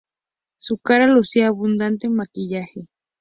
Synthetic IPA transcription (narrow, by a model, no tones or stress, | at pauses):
sʊkaɾalʊsiaːβʊnd̪ant̪emakɪʎahɪ